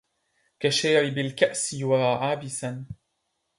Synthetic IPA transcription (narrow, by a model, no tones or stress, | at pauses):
kaʃajɾɪbɪlkaʔsɪwaʕaːbɪsan